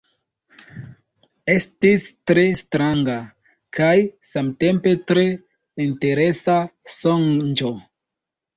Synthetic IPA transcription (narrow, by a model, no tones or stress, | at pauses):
e̞stistɾe̞stɾaŋɡa | kʰajsamte̞mpe̞tɾe̞ | inte̞ɾe̞sasoŋd͡ʒo̞